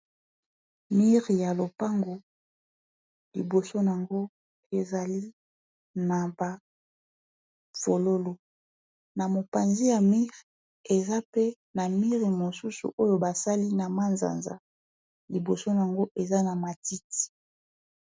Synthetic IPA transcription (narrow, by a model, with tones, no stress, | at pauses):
mi˦ʁi˨ja˨lo˨pa˦ŋɡo˨ | lḭ˨bo˨so˦n˨a˨ŋɡo˦ | e˨za˨li˦ | na˨ba˨ | v̥o˨lo˦lo˨ | na˨mo˨pa˨nzi˦ja˨mi˦ʁ | e˨za˦pe˦ | na˨mi˦ʁi˨mo˨su˦sṵ˨ʔo˦jo˨ba˨sa˦li˦na˨ma˦nza̰˨nza̰˨ | li˨bo˨so˦n˨a˨ŋɡo˦ʔe˨za˦na˨ma˨ti˦ti̥˨